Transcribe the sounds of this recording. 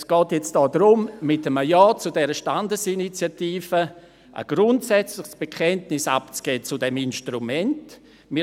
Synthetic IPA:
sɡ̥ɔːtjɛt͡std̥ɔːdɾʊmmɪtəməjɑːt͡sudɛɾəʃtandəsinit͡sjatiːfə | ʔə̰ɡ̥ɾʊntsɛt͡slɪχsb̥ekʰɛntnɪsa̰pt͡sɡ̥eːt͡sudɛminʃtrumɛnt | mɪ

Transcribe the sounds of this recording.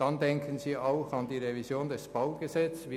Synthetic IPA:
d̥ɑndɛŋkʰənziːaʊxɑndiːʁevizjoːndɛsb̥aʊɡ̥əzɛt͡svi

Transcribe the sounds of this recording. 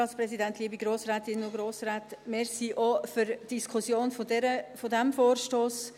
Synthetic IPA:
ɑːtspɾɛsidæntliəbiɡɾoːsɾaːt̪ɪnənʊɡɾoːsɾaːtmɛɾsiʔɔfyɾd̥iskʰʊsjoːnfodɛɾəfodɛmfoːrʃtoːs

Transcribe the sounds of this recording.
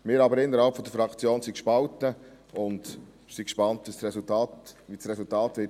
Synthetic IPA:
mɪːɾɑbəɾɪnːəɾhɑlpfɔd̪əɾfɾɑkt͡sjoːnsikʃpɑltə | ʊnd | sikʃpɑntvisɾɛsʊltɑːtʋisɾɛsʊltɑːtʋɪt

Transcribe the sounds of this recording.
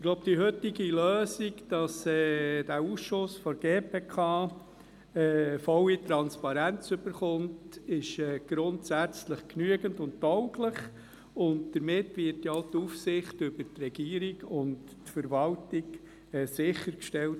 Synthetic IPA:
ɪɡ̥lɔʊb̚d̥̪iɦøtːiɡiløːsiɡd̥ɑsɛd̥æuːsʃʊsfɔɡeːpʰeːkʰɑː | ɛːfɔlitɾɑnspɑɾænt͡sʏb̥əɾχʊntɪʃɛːɡ̥ɾʊntsæt͡sləχknyəɡəntʊnttɔʊkləχ | ʊntd̥̪əɾmɪtʋɪtjɔʊtuːfsɪχtʏbəɾtrɛɡ̥iːəɾiɡʊnt | tfəɾvɑltik | ɛːsɪχːəɾkʃtɛlt

